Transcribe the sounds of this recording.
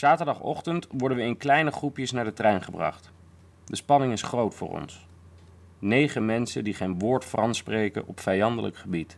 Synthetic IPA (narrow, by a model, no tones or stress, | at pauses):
z̥aːtəɹdɑχɔ̰χtəntʋɔɹdənʋəɪnklɛjnəχrupjəsnaːɹdətrɛjnχəbrɑ̰χt | dəspɑnɪŋɪsχrowtfʊ̰ːɹɔ̰ns | nejχəmɛnsəndiχejnʋʊːɹtfʊrɑntsprejkə̰nʔɔpfɛjɑndə̰lə̰kχəbit